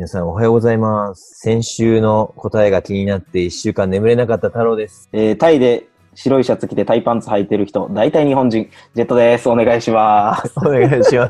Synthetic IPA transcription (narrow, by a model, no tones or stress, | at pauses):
inasãɰ̃o̞ɦajo̞ːɡozaimasɨ̥sẽ̞ɰ̃ɕɨːno̞ko̞t̪aeɡakʲiɲ̟inat̪ːe̞iɕːɨːkãnːe̞mɯ̟ɾe̞nakat̪ːat̪aɾo̞ːd̪e̞sɨ̥eːt̪aid̪e̞ | ɕiɾo̞iɕat͡sɨkʲit̪e̞t̪aipãnt͡sɨhait̪e̞ɾɯ̟çi̥t̪o̞d̪ait̪aiɲ̟iɦõ̞ɲd͡ʑĩŋ | d͡ʑe̞t̪ːo̞d̪e̞sɨo̞ne̞ɡaiɕimasooneɡaiɕimas